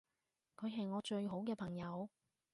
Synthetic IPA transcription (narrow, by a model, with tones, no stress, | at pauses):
kʰɵ˨˧ɥɦɐ˨jŋɔː˨˧t͡ʃɵ˧ɥɦo˨˥wkɛː˧pʰɐ˨˩ŋjɐ˨˧w